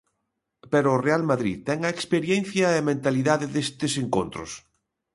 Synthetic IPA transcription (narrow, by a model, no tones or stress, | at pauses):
peɾoːrealmaðɾiðt̪ɛŋɐekspeɾjɛn̟θjɐemẽnt̪aliðaðɪðest̪ɪseŋkont̪ɾʊ̰s